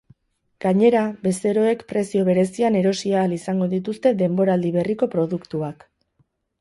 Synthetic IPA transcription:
ɡ̥aɲe̞ɾabe̞se̞ɾo̞e̞kpɾe̞sio̞β̞e̞ɾe̞siane̞ɾo̞siaːlisaŋɡo̞ðit̪̬ust̪e̞ðe̞mbo̞ɾald̪iβ̞e̞riko̞pɾo̞ðukt̪uak

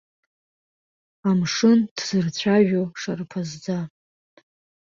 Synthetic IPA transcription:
amʂɨnd̥z̥ɨrt͡ɕʷʰaʒᶣoʂarpʰazd͡za

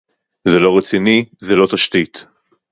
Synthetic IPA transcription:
zelo̞ʁet͡sinizelo̞t̪aʃt̪it̪

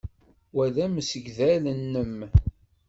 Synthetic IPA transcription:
wæðæməsəɡðælənːəm

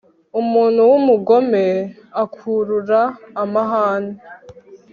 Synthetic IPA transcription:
umuːn̤huwumuɡo̞me̞ | akʰuɾuɾaːmaɦaːne

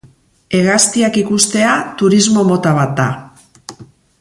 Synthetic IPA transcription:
e̞ɣast̪iakikust̪e̞at̪uɾizmo̞mo̞t̪aβ̞at̪̚d̪a

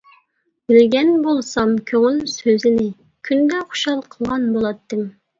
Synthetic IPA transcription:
bɪlɡʲɛnbolˠsɑmkʲʰøŋylsøzɪnɪ | kʲʰynd̪ɛχo̥ʃɑlˠqʰəlˠʁɑnbolˠɑt̪ːɨm

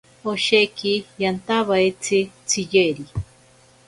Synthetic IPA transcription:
oʃekijant̪aβajt͡sʰit͡sʰijeɾi

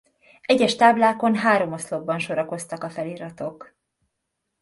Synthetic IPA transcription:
ɛɟɛʃt̪aːblaːko̞nɦaːɾo̞moslo̞bbɒnʃo̞ɾɒko̞st̪ɒkɒfɛliɾɒt̪o̞k

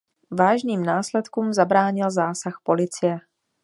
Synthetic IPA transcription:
vaːʒniːmnaːslɛt̪kuːmzabɾaːɲɪlzaːsaxpo̞lɪt͡sɪjɛ

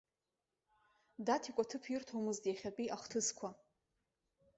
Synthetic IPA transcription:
datʰikʷʼatʰɨpʰɪrtʰowmɨzdjaχʲapʼiʔaχtʰɨskʷʰa

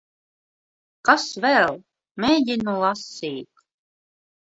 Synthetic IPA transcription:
kasvɛlˠ | mʲɛjɟinulˠasiːt̪

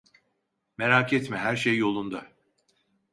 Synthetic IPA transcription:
meɾaːkʰɛt̪mɛɦæɾʃejːo̞lˠund̪a

